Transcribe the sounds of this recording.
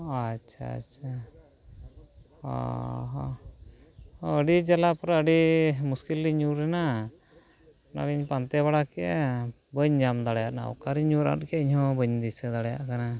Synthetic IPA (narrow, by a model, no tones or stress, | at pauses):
atːʃʰa̰a̰tʃʰa | ɔ̰ɦ | əɖid͡ʒalapɔɾəɖimuskilːiɲuɾɛna | na̰ɡiɲpant̪ɛβaɽakɛʔɛ | bəɲd͡ʒamd̪aɽjaʔna̰ɔ̰kaɾiɲuɾa̰nkɛiɲɦɔ̃bəɲd̪isɛd̪aɽɛjaʔkana